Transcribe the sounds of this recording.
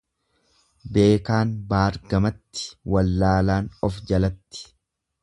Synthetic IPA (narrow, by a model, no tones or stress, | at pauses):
be̞ːkaːnbaːɾɡɐmɐt̪ːɪ̥wɐlːaːlaːnɔfd͡ʒɐlɐt̪ːɪ̥